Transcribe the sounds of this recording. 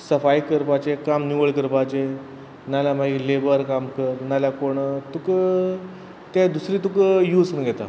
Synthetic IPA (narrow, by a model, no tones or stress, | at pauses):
səfajkəɾpat͡ɕekamniʋəɭkəɾpat͡ɕe | nalamailebəɾkamkəɾnaljakoɽ̃ət̪uk | t̪ed̪usɾiːt̪ukjusnəɡʱɛt̪a̰